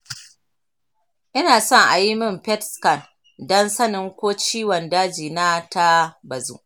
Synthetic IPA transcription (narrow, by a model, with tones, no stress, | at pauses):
ʔɪ˦naː˨sɔ˦˨ŋʔa̰˨ji˦mɪ˦˨mpɛ˦tskɐ˨n | dɔ˦nsɐ˦nɪ˦ŋkʷoː˦t͡ʃiː˦wɔ˨ndaː˦d͡ʒiː˨na˦ta˦bɐ˨zṵ˦ʔ